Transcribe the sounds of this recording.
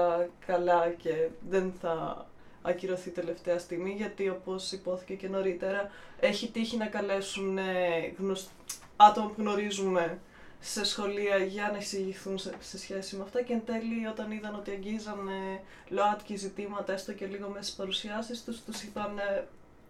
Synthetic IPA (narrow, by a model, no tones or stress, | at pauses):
ɐkɐlɐce̞ðenθɐː | ciɾo̞θit̪e̞le̞ft̪e̞ɐst̪iɣmiʝɐt̪io̞po̞sipo̞θi̥ce̞ce̞no̞ɾit̪e̞ɾɐe̞çit̪içinɐkɐle̞suneɣnos | ɐt̪o̞mɐpuɣno̞ɾizume̞ | se̞sxo̞liɐʝɐnɐiksiʝiθunse̞sçe̞simeɐft̪ɐcend̪e̞lio̞t̪ɐniðɐno̞t̪iɐɲɟizɐne̞ | loɐt̪cizit̪imɐt̪ɐest̪oce̞liɣo̞mese̥spɐɾusiɐsist̪ust̪usipɐne̞